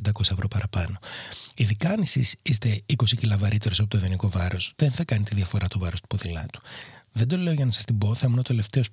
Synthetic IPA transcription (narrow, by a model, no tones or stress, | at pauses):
nd̪ɐko̞sɐevɾo̞pɐɾɐpɐno̞iðikɐnisisist̪e̞iko̞sicilɐvɐɾit̪e̞ɾo̞sɐpot̪oviniko̞vɐɾo̞sðenθɐkɐnit̪iðiɐfo̞ɾɐt̪ovɐɾo̞st̪u̥poðilɐ̰t̪u̥ðed̪o̞le̞o̞ʝɐnɐsɐ̥st̪ibo̞θɐmenot̪e̞le̞ft̪e̞o̞s